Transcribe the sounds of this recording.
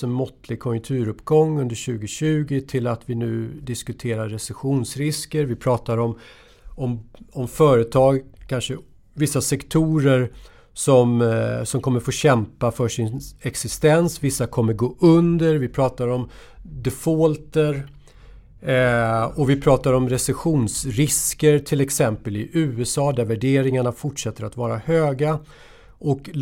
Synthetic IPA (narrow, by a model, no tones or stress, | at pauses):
ɔnmɔt̪lɪɡ̚kʰɔjɵŋk̚t̪ʰʉ̟ːɾɵpːɡɔŋːɵnd̪əɕʉ̟ːɡɪɕʉ̟ːɡɪt̪ʰɪlat̪vɪnʉ̟ːd̪ɪskɵt̪ʰeːɾaːɛsɛɧuːnsɾɪskəɾvɪpʰɾɑːt̪aɾɔm | ɔmɔmfœːɾət̪ʰɑːɡkʰanʂə | vɪsːasɛkt̪ʰuːɾəɾ | sɔmsɔmkʰɔmːəɾfoːɕɛmpafœʂɪnɛksɪst̪ɛnsvɪsːakʰɔmːəɾɡoːʔɵnd̪əɾvɪpʰɾɑːt̪aɾɔm | d̪ɛfolt̪əɾ | ɔvɪpʰɾɑːt̪aɾɔmɾɛsɛɧuːnsɾɪskəɾt̪ʰɪlɛksɛmpəlɪʔʉ̟ːɛsɑːd̪æɾvæɖeːɾɪŋaɳafʊʈʂɛt̪ːəɾat̪vɑːɾahøːɡa | ʔɔk